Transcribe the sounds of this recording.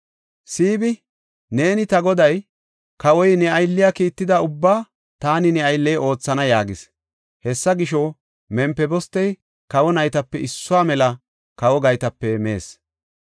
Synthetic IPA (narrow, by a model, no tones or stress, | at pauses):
siːbɪ | ne̞ːnɪt̪ɐɡɔd̪ɐj | kɐwɔjnɛɐjlːɪjaːkiːt̪ːɪd̪ɐʊbːaː | t̪aːnɪnɛɐjlːɛjʔo̞ːt͡sːɐnɐjaːɡɪs | hɛsːɐɡɪʃɔ | mɛmpːɛbɔst̪ːɛj | kɐwɔnɐjt̪ɐpːɛɪsːʊaːmɛlɐ | kɐwɔɡɐjt̪ɐpːɛmḛːs